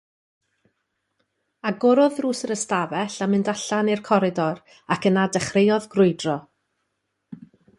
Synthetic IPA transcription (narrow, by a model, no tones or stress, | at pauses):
aɡɔɾɔðruːsəɾəstavɛɬamɪndaɬanirkʰɔɾɪdɔɾ | akənadɛχrejɔðɡrʊɨdrɔ